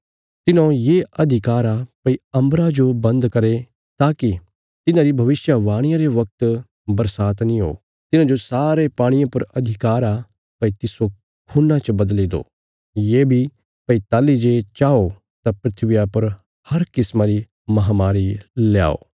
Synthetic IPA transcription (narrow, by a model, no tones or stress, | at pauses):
t̪ɪnõjeɐd̪ʱɪkaːɾapɐiɐ̃mbɾad͡ʒobɐ̃nd̪kɐɾe | t̪aːki | t̪ɪnãːɾibʱɐʋɪsjaʋaːɽ̃ɪjãɾeʋɐk̚t̪ | bɐɾsaːt̪nĩɦo̰ː | t̪ɪnãd͡ʒosaːɾepaːɽ̃ɪjãpɐɾɐd̪ʱɪkaːɾa | pɐit̪ɪso | kʰuːnãt͡ʃɐbɐd̪lid̪o̰ː | jeːbʱi | pɐit̪aːlid͡ʒet͡ʃaːo | t̪apɾɪt̪ʰʋɪjapɐɾ | hɐɾkɪsmaɾi | mɐɦaːmaːɾilja̰ːo̰ː